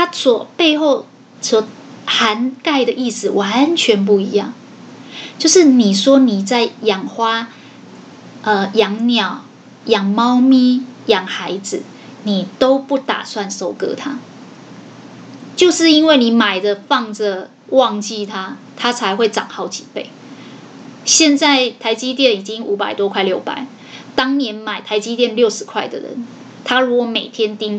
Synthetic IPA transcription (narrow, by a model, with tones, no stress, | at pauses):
t̪ʰa˥swɔ˨˩pe˥˧ɪxo˥˩ʊ | swɔ˨˩˦ha˧˦˥nka˥˩ɪd̪ə˨ʔi˥˩sɹ̩˨wʔa˨˧˦nt͡ɕʰɥɛ˧˥np̬u˥˩i˧˦jɑ˥˩ŋ | t͡ɕjo˥˧ʊʂɻ̩˥˩ni˨˩ʂwɔ˥ni˨˩t͡sa˥˩ɪjɑ˨˩ŋxwa˥ | ʔə˧jɑ˧˥ŋnjɑ˨˩ʊ | jɑ˨˩ŋmɑ˦˥ʊmi˥˩jɑ˨˩ŋxa˧˦ɪd͡zɹ̩˨ | ni˨˩t̪o˦ʊpu˥˩t̪a̰˨˩swa˥˧nso˨˩ʊkɤ̰˧˦t̪ʰa˦ | t͡ɕjo˥˧ʊʂɻ̩˥˨i˦˥nwe˥˩ɪni˨˩ma˨˩ɪd̪ə˨fɑ˥˩ŋd͡zə˨ | wɑ˥˧ŋt͡ɕi˥˨t̪ʰa˦ | t̪ʰa˥t͡sʰa˧˥ɪxwe˥˩ɪʈ͡ʂɑ̰˨˩ŋxɑ˥˩ʊt͡ɕi̥˨˩˦pe˥˩ɪ | ɕjɛ˥˧nt͡sa˥˩ɪt̪ʰa˧˥ɪt͡ɕi˥t̪̬jɛ˥˨ni˨˩t͡ɕi˦˥ŋu˧˥pa˨˩ɪt̪wɔ˦˥kʰwa˥˧ɪljo˥˩ʊpa̰˨˩˦ɪ | t̪ɑ˥ŋnjɛ˧˥nma˨˩ɪt̪ʰa˧˥ɪt͡ɕi˥t̪jɛ˥˧nljo˥˩ʊʂɻ̩˨˧˥kʰwa˥˩ɪd̪ə̰˨˩ɻə̰˧˦n | t̪ʰa˥ɻu˧˥kwɔ˨˩me˨˩ɪt̪ʰjɛ˦˥nt̪i˦ŋ